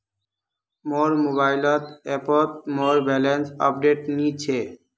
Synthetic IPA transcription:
moɾmoβajlɔt̪ɛpot̪̚moɾbɛlensɔ̰p̚ɖeʈnit͡ɕʰe

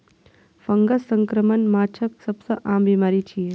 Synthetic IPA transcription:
fəŋɡɐsəŋkɾəmənmaːt͡ʃʰək̚sɐbsɐʔaːmbimaɾit͡ʃʰije

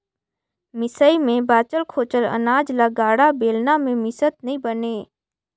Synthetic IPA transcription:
mɪsəimẽbaːt͡ʃəlkʰoːt͡ʃələ̰naːd͡ʒlaɡaːɽabeːlnamẽmɪsət̪̚nəɦĩbəneː

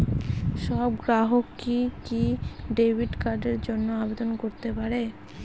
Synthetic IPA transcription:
ʃɔbɡɾaɦokːikiɖebʱiɖkaɾɖeɾd͡ʑonːoabed̪onkoɾt̪epaɾe

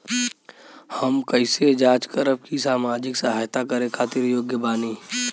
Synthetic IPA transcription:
həmkəɪsed͡ʒaːt͡ʃkəɾəp̚kisaːmaːd͡ʒɪksəɦaːjt̪akəɾẽkʰaːt̪ɪɾjoːɡjəbaːniː

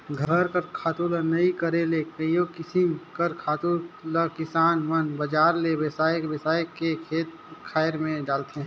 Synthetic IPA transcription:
ɡʱəɾkəɾkʰaːt̪ulənɐĩkəɾelekəijokɪsɪmkəɾkʰaːt̪uɾləkɪsaːnʋənbəd͡ʒaːɾlewɛsaːjkbəsaːjkekʰeːt̪̚ | kʰaːɪɾmẽɖaːlt̪ɦe

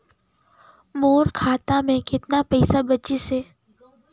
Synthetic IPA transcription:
moːɾkʰaːt̪amẽkɪt̪napɛɪsabɐt͡ʃise

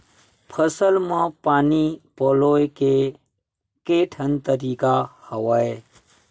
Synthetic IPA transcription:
pʰəsəlmãpaːnipoːloːjke | keːʈʰənt̪əɾiːkahɐwae

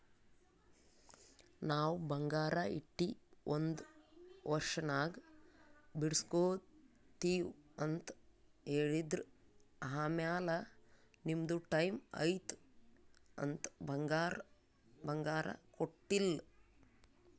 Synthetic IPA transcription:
naːwbɐŋɡaːɾɐiʈːiond̪ʋɐɾʂɐnaːɡ | biɽskoːd̪ | t̪iːwɐnt̪ | eːɭid̪ɾuɐɦaːmjaːlɐ | nimd̪uʈɐjmɐ̰jt̪ | ɐ̰nt̪bɐŋɡaːɾ | bɐŋɡaːɾɐ̰koʈːil

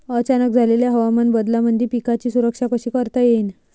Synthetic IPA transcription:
ət͡ɕanək̚d͡zʱaleljaɦəʋamənbəd̪lamənd̪ʱipikat͡ɕiːsuɾəkʂakəɕiːkəɾt̪ajen

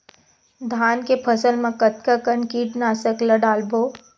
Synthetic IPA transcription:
d̪ʱaːnkepʰɐsəlmẽkət̪kakəɳkiːʈnaːsəklɐɖaːlboː

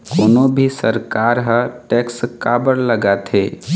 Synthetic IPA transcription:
koːnõbʱisəɾkaːɾɦə̃ʈɛːkskaːbəɾləɡat̪ʰeː

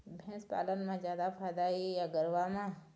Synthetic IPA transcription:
bʱɛ̃spa̰ːlənmãd͡ʒjaːd̪apʰaːd̪aijaɡəɾʋamã

